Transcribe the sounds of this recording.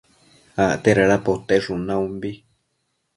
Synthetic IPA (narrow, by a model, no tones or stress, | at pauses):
aʔt̪eɾaɺapot̪eʐunãũmbi